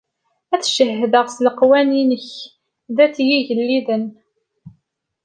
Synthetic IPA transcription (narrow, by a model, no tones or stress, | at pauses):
æθʃəhːəðəʁsləqwæninəç | ðæt͡sːjiʝəlːiðən